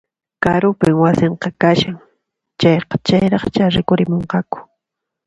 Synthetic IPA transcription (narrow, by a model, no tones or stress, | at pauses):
kaɾʊpɪŋwasɪɴqɑkaʃaŋ | t͡ʃɑjqɑ̥t͡ʃajɾɑχt͡ʃaɾɪkʊɾɪmoɴqɑkʊ̥